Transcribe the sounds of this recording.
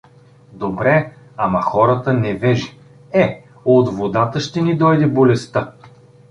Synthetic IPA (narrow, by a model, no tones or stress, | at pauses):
d̪obɾɛ | amɐxɔɾət̪ənɛvɛʒi | ɛ | od̪vod̪at̪əʃt̪ɛnid̪ɔjd̪ɛbolɛst̪ə